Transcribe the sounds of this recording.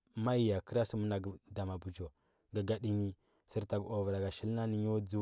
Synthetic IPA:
ma˦i˨ja˨kə˦ɾa˦sə˦mə˦na˨ɡə˨da˨ma˨bu˨d͡ʒo˨ | ɡə˨ɡa˨ɗi˦ɲi˦ | sə˦ɾta˨ɡo˨və˨ɾa˨ɡa˨ʃi˦lna˦ni˦ɲ˦o˦d͡zu˦

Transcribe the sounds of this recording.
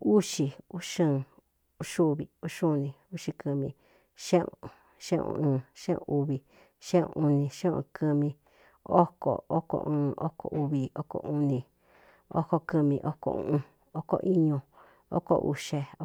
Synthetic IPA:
u˦ʃi˧u˦ʂɨ̃˦˨ | u˦ʂu˦˧βi˨u˦ʂu˦˧nĩ˧˨u˦ʂi˧kɨ˧mĩ˧ | ʃẽ˦ũ˨ | ʃḛ̃˦˧ṵ̃ː˧ʃẽ˦ṵ̃˧ʔu˧βi˧ | ʃẽ˦˧u˧nĩ˧ʃẽ˦˧ũ˧kʰɨ˧mĩ˧ | o˦ko̰˨o˦ko̰˧ʔɨ̃ː˧o˦ko̰˧ʔu˧βi˧o˦ko̰˧ʔũ˧nĩ˧ | o˦ko˧kɨ˧mĩ˧ʔo˦ko̰˧ṵ̃˧˦ũ˧ | o˦ko̰˧ʔi˦ɲũ˧ | o̰˦ko̰˧ʔṵ˧ʃe˧˦

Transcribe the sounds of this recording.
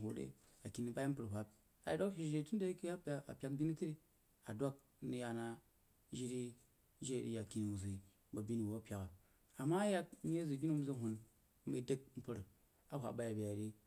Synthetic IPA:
ɦo˨ɾḛ˦ | a˨ki˨ni˨ba˦ji˦m̩˦pɨ˨ɾɦʷa˦p̚ | a˨do˦kʃi˨˦e˦˨tu˦n˦de˦ki˦a˦pa˦a̰˨pʲa˦kbʲi˦ni˦ti˦ɾi˦ | a̰˨do˦k̚ | ni˦ja˨na˦ | ʒi˦ɾi˦ | ʒe˦˨ɾḭ˦ja˨ki˨ni˨u˨zi˨ | ba˨bʲi˦ni˨wo˨˦a˦pʲa˨ka˨ | a˨ma˦ja˦km˦e˦zi˨bʲi˦ni˦m˦zi˦ɦʷu˨n˦ | i˦de˦k̚m̩˦pɨ˨ɾ | a˦ɦʷa̰˨ba˦ja˨bʲi˨a˨ɾi˦

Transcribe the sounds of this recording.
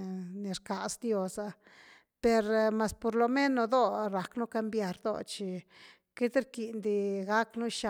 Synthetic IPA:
ne˨ɾka˨sd̪jo˧sa˧ | pe˧ɾma˧spo˧ɾlo˨me˦no˨˧d̪o˦ɾa˨knu˦ka˧mbja˧ɾd̪o̰˧t͡ʃi˧˨ | ke˦d̪ɾki˨nd̪i˧ɡa˦knu˦ʃa˨

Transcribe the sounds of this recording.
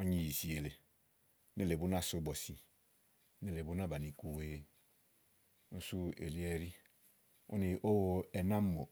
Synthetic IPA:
o˦ɲi˨ji˨si˨e˨le˨˦ | ne˦˨le˨bu˦na˦˨su˦bo˨si˨˦ | ne˦le˨bu˦na˦˨ba˨ni˨ku˨we˨˦ | nu˦su˦ḛ˨li˦e˨ɾi˦ | ṵ˦ni˨ʔo˦wo˨e˨na˦mo˨

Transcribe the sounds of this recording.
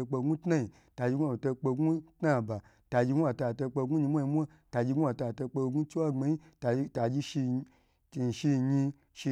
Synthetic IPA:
k͡pe˧ɡu˦tna˦i˨ | ta˨d͡ʒi˧ɡu˦˨to˧k͡pe˧ɡu˦tna˦˨ba˨ | ta˨d͡ʒi˧ɡu˦a˧ta˧˨to˧k͡pe˧ɡu˦ɲi˧mʷa˦ɲi˧mʷ˦a˦ | ta˨d͡ʒi˧ɡu˦a˧˨ta˧˨to˧k͡pe˧ɡu˦t͡ʃi˦wa˦˨ŋ͡me˨˧ji˦ta˨˧ta˨d͡ʒi˦ʃi˧˨ | ʃi˧˨ɲi˧ | ʃi˧

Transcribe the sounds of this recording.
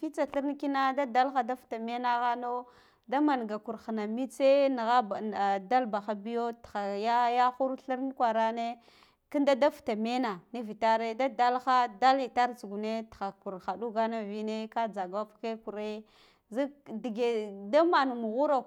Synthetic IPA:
fi˦t͡sa˨ɬi˦ɾn˦ki˦na˦da˦da˦lxa˦da˦fta˨me˦na˦ɣa˦no˦ | da˦ma˨n˨ɡa˨ku˨ɾxi˨na˨mi˦t͡se˦n˨ɣa˦˨da˦lba˨xa˦bi˦jo˦txa˨ja˦ja˦xu˦ɾɬi˦ɾn˦kʷa˨ɾa˦ne˦ | ki˦nda˦da˦fta˨me˦na˨ni˦vi˨ta˦ɾe˦da˦da˦lxa˦da˦li˨ta˦ɾt͡su˨ɡu˨ne˦txa˨ku˨ɾxa˨du˦ɡa˦na˦vi˦ne˦ka˦d͡za˨ɡa˦pke˦ku˨ɾe˦ | zi˦di˨ɡe˨da˦ma˨n˨mu˨ɣu˦ɾa˨

